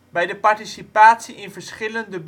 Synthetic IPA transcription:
bɛjdəpɑɹtisipaːtsiʔɪnvəɹsχɪləndəb

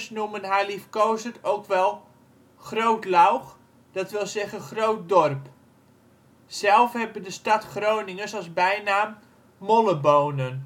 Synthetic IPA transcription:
snumənɦɛjlifkowsətowkʋɛlˠ | χrowtlawχ | d̥ɑtʋɪlˠzɛχəχrowt̚dɔrp | sɛlˠfɦɛbədəstɑtχrownɪŋənsɑlˠzbɛjnaːm | mɔləbownən

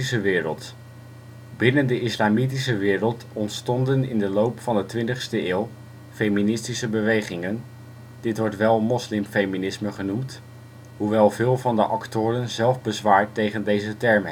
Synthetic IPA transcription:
isəʋɪːɾə̰lˠt | bɪnəndəʔɪslaːmitisəʋɪːrəlˠt | ɔntstɔndənɪ̰ndəlowpfɑndətʋɪntəχstəʔɪːlˠ | fejminɪstisəbəʋejχɪŋən | d̥ɪtʋɔɹtʋɛlˠmɔslɪmfejminɪsməχənumt | ɦuʋɛlˠvɪːlˠvɑndəʔɑktʊːrənzɛlˠvbəzʋaːɹtːejχəndejzətɛɹm

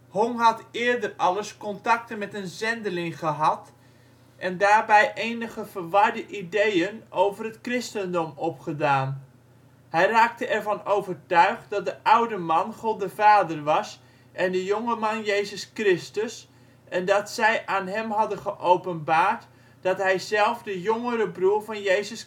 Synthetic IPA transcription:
hoŋɦɑtɪːɹdərɑləskɔntɑk̚tənmɛtənzɛndəlɪŋχəɦɑt | ʔɛndaːrbɛjʔejnəɣəv̥ərʋɑrdəʔidejənowvərətkrɪstəndɔmɔpχədaːn | hɛjraːk̚təʔɛrvɑnowvərtœɥχt̚dɑt̚dəʔawdəmɑnχolˠdəvaːdərʋɑs | ʔɛndəjoŋəmɑnjejzəskrɪstəs | ʔɛndɑtsɛjʔaːnɦɛmɦɑdəχəʔowpənbaːrt | d̥ɑtɦɛjzɛlˠfdəjʊŋəɾəbruːɹvɑnjejzəs

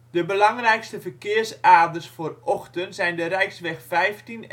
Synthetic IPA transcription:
dəbəlaŋrɛjkstəfərkɪərsaːrdərsfoːrɔxtənsɛjndəɾɛjksʋɛxfɛjftin

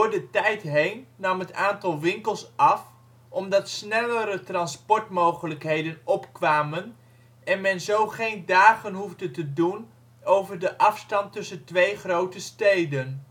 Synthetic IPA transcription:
ʊːɹdətɛjtɦejnːɑmɦətaːntɑlˠʋɪŋkəlˠsɑf | ʔɔmdɑtsnɛləɾətrɑnspɔɹtmowχələkɦejdənɔpkʋaːmən | ɛnmɛnzowχejndaːχənɦuvdətədun | owvəɹdəʔɑfstɑntɵsəntʋejχrowtəstejdən

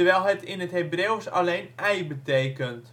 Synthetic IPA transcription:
əʋɛlˠɦətɪnətɦebrewsa̰leːnɛjbəteːkənt

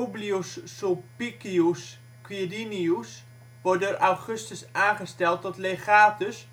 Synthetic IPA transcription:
ubliossopikius | kwidinius | ʋɔrdəraχøstəsaːnχəstɛlˠt̚dɔtleχaːtəs

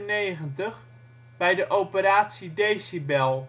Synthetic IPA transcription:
nejχəntəχ | bɛjdəʔowpəɾaːtsidejsibɛlˠ

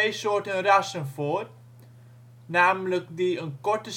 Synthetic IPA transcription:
ejsortənrasənfɔt̚ | naːmləkdiənkɔrtəs

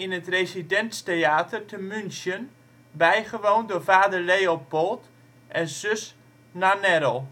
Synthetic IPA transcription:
inətresidɛnsteaːtərtəmynsjən | bɛjχəʋowndʊːrfaːdərlejopolˠt | ʔɛnsøs | nanɛɾəlˠ

